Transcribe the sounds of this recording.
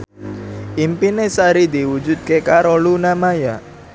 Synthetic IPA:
ʔimpinesaɾid̪iwud͡ʒud̪̚kekaɾɔlunamaja

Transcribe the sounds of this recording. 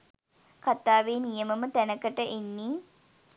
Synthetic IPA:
kat̪aːʋeːnijəməmət̪ænəkəʈəʔenːiː

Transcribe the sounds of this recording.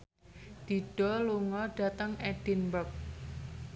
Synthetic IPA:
d̪̥i̤ɖ̥ɔ̤luŋɔɖ̥a̤t̪əŋɛɖ̥inbək̚

